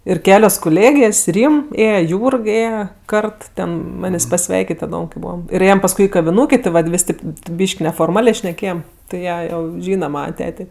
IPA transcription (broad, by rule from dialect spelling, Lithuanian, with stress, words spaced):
ɪr ˈkʲæːlʲoːs kʊˈlʲeːɡʲeːsʲ ˈrʲiːm ˈeːjɛ ˈjuːrk ˈeːjɛ ˈkɐrt ˈtʲɛn ˈmɑːnʲeːsʲ pɐˈsʲʋʲɛɪkʲɪtʲ tʲɛn tɐˈdoːm kɐɪ ˈbuːʋɐm ɪr ˈeːjɛm pɐsˈkʊɪ ɪ kɐʋʲɪˈnuːkʲeː tʲɪ ˈʋɐt ˈʋʲɪsʲ ˈtʲeːp ˈbʲiːʃʲkʲ nʲɛfoːrˈmɑːlʲeː ʃʲnʲɛˈkʲeːjɛm tɐɪ ˈjiɛ ˈjɛʊ ˈʒʲiːnɐ ˈmɑːnɐ ˈtʲæːtʲeː